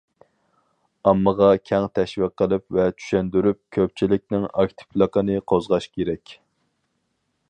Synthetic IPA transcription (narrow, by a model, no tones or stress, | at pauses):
ɑmːəʁɑkʲʰɛŋt̪ʰɛʃvɪqːəlˠɪpvɛt͡ʃ̪ʰy̥ʃɛnd̪yɾyp̚kʲʰøp̚t͡ʃʰilɪk̚ʲnɪŋɑ̰kʲt̪ʰɪ̥plˠəqənɨqʰozʁɑʃkʲʰeɾɛkʲ